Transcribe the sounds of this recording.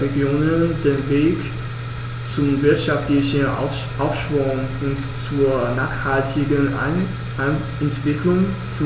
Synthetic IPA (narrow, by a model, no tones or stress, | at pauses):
eɡjoːnənd̥eːnveːk | t͡sʊmvɪɐtʃaftlɪçən | ʔaʊfʃv̥ʊŋʊntt͡suːɐnaːχhaltʰɪɡən | ɛntv̥ɪkʰlʊŋt͡su